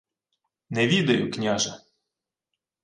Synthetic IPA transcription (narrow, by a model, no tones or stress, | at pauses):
nɛʋʲid̪ɐjʊknʲaʒɐ